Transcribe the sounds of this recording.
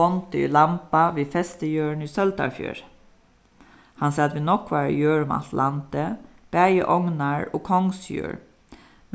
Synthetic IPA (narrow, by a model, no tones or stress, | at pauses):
ɔnt̪əḭːlɑmpɑʋiːfɛst̪əjøːɳiːsœld̪ɑ̰ɹfjø̰ːɾ | hɑnsɑːɑt̪ʋɪːnɔkːʋæːɾə̰jøːɹm̰ɑ̰t̪ʰlʔant̪əb̥æjə̰ʔɔŋnɑɹoːkʰɔŋsjø̰ːɹ